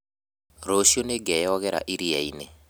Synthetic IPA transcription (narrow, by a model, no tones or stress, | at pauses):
ɾoʃioneɡɛjɔɣɛɾa̰ʔiɾiɛine